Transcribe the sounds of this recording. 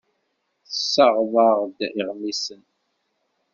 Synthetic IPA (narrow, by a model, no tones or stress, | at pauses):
θəsːəʁðˤəʁd̪iʁmisən